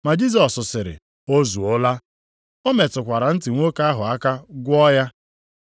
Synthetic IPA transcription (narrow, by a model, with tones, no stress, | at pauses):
ma˨d͡ʒi˦z̬ɔ˨sʊ˨sɪ˨ɾɪ̰˨ | o˦zu˨o˦la˦ | o˦me˨tʊ˨kʷa˨ɾa˨n̩˦tɪ˨ŋʷo˦ka˦ɦʊ˨a˦ka˦ɡʷʊ˦ɔ˦ja˦